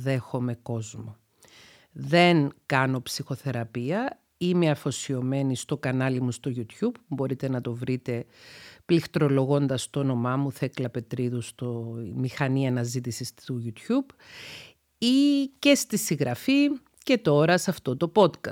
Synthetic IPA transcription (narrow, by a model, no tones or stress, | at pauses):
ðe̞xo̞me̞ko̞zmo̞ | ðe̞ŋkɐno̞psixo̞θe̞ɾɐpiɐ | ime̞ɐfo̞sio̞me̞nist̪o̞kɐnɐlimust̪o̞ʝut̪çubpubo̞ɾit̪e̞nɐt̪o̞vɾit̪e̞plixt̪ɾo̞lo̞ɣo̞nd̪ɐst̪ono̞mɐmuθeklɐpe̞t̪ɾiðust̪omixɐniɐnɐzit̪isisuʝut̪çub | ice̞st̪isiɣɾɐfi | ce̞t̪o̞ɾɐsɐft̪o̞t̪o̞po̞t̪kɐ